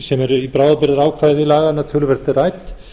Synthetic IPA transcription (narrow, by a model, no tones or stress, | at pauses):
sɛmɛɾipɾaːwðapɪɾðɪɾaːwkʰvaːjðɪilaːɣanːat̪ʰʏlvɛɾ̥t̪ɪrajt̪